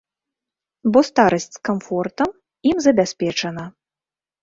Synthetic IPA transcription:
bɔst̪aɾɐsʲt͡sʲskamfɔrt̪ɐm | imzɐbʲasʲpʲɛt͡ʂɐnɐ

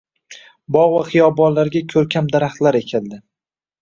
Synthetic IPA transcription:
bɒʁvaχɪjɒbɒnlaɾɡʲakʲʰɵɾkʲʰamd̪aɾaχt̪laɾe̞kʲʰɪld̪ɪ

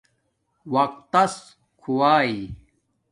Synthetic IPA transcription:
wɐq̚t̪ːɐs | kʰuwaːi

